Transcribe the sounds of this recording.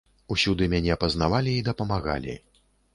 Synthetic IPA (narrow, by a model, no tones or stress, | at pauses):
usʲud̪ɨmʲanʲɛpɐznavalʲiːd̪ɐpɐmaɣa̰lʲḭ